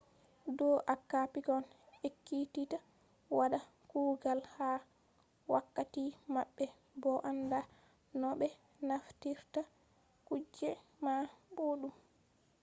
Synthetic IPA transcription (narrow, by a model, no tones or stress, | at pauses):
dɔʔakːapikɔnekːitita | waɗa | kuːɡalha | wa̰kːatimaɓːɛ | bɔʔanda | nɔɓɛ | naftiɾta | kud͡ʒːɛmaboɗum